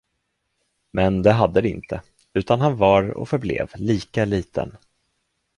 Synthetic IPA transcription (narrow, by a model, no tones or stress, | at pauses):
mɛnd̪ɛɦad̪ːəd̪ɛɪ̰nt̪ʰə | ʉ̟ːt̪ʰanɦanvaɾɔ̰fœɾblḛːvliːkaliːt̪ʰə̰n